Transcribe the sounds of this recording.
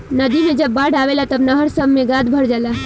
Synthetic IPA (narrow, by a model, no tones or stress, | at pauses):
nəd̪imẽd͡ʒəbːaɽaʋelat̪əbnəɦəɾsəbmẽɡad̪bʱəɽd͡ʒala